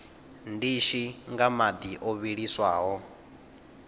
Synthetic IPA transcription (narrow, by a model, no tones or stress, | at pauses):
ndiʃiŋɡamad̪iʔoβiɺiswaːɦɔ